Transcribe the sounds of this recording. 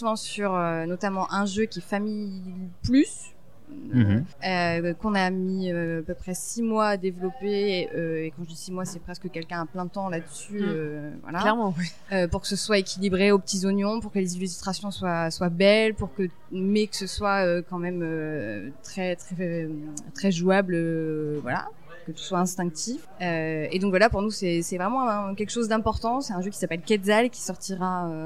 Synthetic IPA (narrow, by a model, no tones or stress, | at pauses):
mɑ̃syʁønɔt̪amɑ̃ʔɛ̃ʒøkʲiɛfamiplys | økɔ̃namiøapøpχɛsimwaːd̪evlɔpeøekɑ̃ʒəd̪isimwasɛpχɛskəkʲɛlkʲɛ̃aplɛ̃d̪ət̪ɑ̃lad̪əsyøvwa̰lalɛʁmɑ̃ | øpuʁkə̥səswaekʲilibʁeopət̪izɔnjɔ̃puʁkəlezilys̬ist̪χasjɔ̃swaswabɛlpuʁkə | mɛkə̥səswaøkɑ̃mɛmøt̪χɛt̪χɛ | t̪χɛʒuabløvwa̰la̰pukət̪y̥swaɛ̃st̪ɛ̃k̚t̪if | øed̪ɔ̃kvwalapuʁnusɛsɛvʁɛmɑ̃ɛ̃kʲɛlkəʃozd̪ɛ̃pɔʁt̪ɑ̃sɛt̪ɛ̃ʒøkʲi̥sapɛlkɛd̪zalkʲi̥sɔʁt̪iʁaø